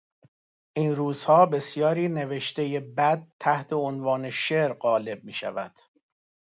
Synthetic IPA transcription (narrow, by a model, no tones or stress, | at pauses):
ʔiːnruːz̥hɒːbe̞sjɒːɾiːne̞ve̞ʃt̪ejebæd̪̚t̪ʰːæht̪ʰe̞onvɒːne̞ʃeɾɢɒːle̞b̚miːʃæ̰væd̪̥